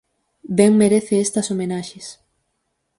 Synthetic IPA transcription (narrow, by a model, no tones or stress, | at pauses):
bɛŋmeɾeθeest̪ɐsomenaʃes